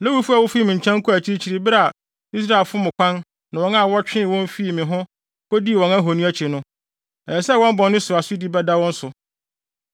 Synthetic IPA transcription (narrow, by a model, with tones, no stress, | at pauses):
lɛ˦wu˦fu˦a˨wʊ˦fi˦mĩ˨ɲ˨t͡ɕʰã˦ŋ̩˦kʰʊ˦æ˨t͡ɕʰi˦ɾi˦t͡ɕʰi˨ɾi˨bɪ˦ɾa˦a˨ | i˦s̬ɾa˦˨e˨lfʊ˦mʊ̃˨kʷʰã˦n | nã˨wɔ̃˦na˦˨wɔ˦t͡ɕᶣɪ̃˦˨wɔ̃˦m˦fi˦˨mɪ̃˨ɦʊ̃˦ | ko˦di˦˨wɔ̃˨na˦ɦo˨nĩ˦æ˦t͡ɕʰi˨e˨nʊ̃˦ | ɛ˨sɛ˦wɔ̃˦m˦bɔ̃˨nː˦ɪ̃˦sʊ˨ɾa˨sʊ˦di˦bɛ˦da˦wɔ̃˦n̩˦sʊ˨